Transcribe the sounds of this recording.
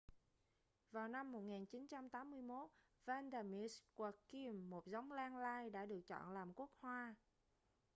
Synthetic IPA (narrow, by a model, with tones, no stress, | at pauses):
vaː˨˩wna˧mːo˨˩t̚ŋaː˨˩nt͡ɕi˨˦nt͡ɕa˧mt̪aː˨˦mːɨ˧əjmo˦˥t̚ | vaː˧nda˧mi˧˩˥ska˧˩ki˧mːo˨˩t̚za˨˦wŋ͡mlaː˧ŋlaː˧jɗa̰ː˧˥ɗɨ˨˩ək̚t͡ɕɔ̰˧˨nlaː˨˩mku˦˥ək̚hwaː˧